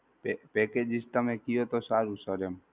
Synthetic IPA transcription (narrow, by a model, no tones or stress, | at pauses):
pepɛked͡ʒist̪əmekɪjot̪osaːɾusəɾem